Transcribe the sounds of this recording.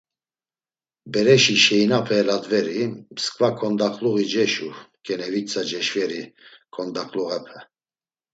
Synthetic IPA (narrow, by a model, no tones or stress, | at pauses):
bɛɾɛʃiʃɛjnapʰɛːlad̪vɛɾimskʼvakʰɔnd̪akʼluɣid͡ʒɛʃukʼɛnɛvit͡sʰʼad͡ʒɛʃvɛɾi | kʰʼɔnd̪akʼluɣɛpʰɛ